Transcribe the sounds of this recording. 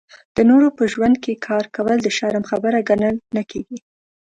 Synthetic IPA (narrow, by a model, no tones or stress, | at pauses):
d̪̥ənoɾopəʒwand̪̚kekʰɑɾkawəld̪əʃaɾamxabəɾaɡanəlnakeɡi